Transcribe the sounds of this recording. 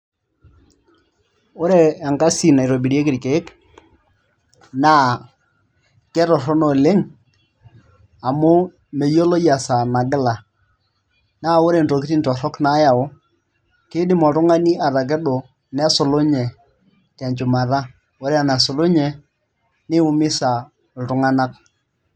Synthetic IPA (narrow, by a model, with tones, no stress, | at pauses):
o˦ɾeː˦˨ŋɡa˦si˨na˨i˨ɾɔ˨bi˨ɾe˦kɪ˨ɾke˨˦k | naː˦ | kɛ˦ɾɔ˨ɾɔ˦nɔ˨le˦ŋ | a˨mʊ˦ | me˨jo˦lo˦ja˨sa˨na˨ɡɪ˦la˨ | naː˦wo˦ɾe˨n˨tɔ˨ki˦ti˦ntɔ˨ɾɔ˦kna˦ja˨ʊ˦ | kɪ˦dɪ˦mɔ˨tʊ˦ŋa˦ni˦ʔa˨ɾa˨k̬ɛ˦ɗo˨ | nɛ˦sʊ˨lo˦ɲɛ˨ | tɛ˨ɲt͡ʃʊ˨ma˨ɾa˦ | o˦ɾe˦a˨na˨so˨lo˦ɲɛ˨ | nɪ˦ʊ˨mɪ˦sa˨ | tʊ˦ŋa˦na˦k̚